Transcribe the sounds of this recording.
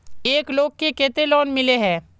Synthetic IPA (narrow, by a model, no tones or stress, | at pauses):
eːkloːɡ̚kːekeːt̪elɔːnmɪleɦɛ̃ː